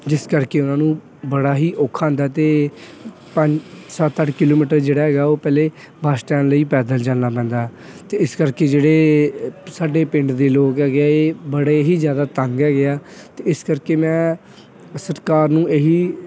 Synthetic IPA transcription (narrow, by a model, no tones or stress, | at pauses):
d͡ʒɪskəɾkeːʊnãːnũː | bəɽaːɦiːʔoːkʰːãːnd̪aːt̪eː | pəɲd͡ʒsət̪ːəʈkɪloːmiːʈəɾd͡ʒeːɽaːɦɛːɡaːoːpɛːleː | bʱaːsʈãːnləiːpɛːd̪əld͡ʒaːnaːp̬ɛ̃ːnd̪aː | t̪eːɪskəɾkeːd͡ʒeːɽeː | saːɖeːpɪ̃ɳɖd̪eːloːkɛːɡaːeːbəɽeːɦiːzjaːd̪aːt̪ə̃ŋɡɛːɡɪaːt̪eːɪskəɾkeːmɛ̃ː | səɾkaːɾnũːʔeːɦiː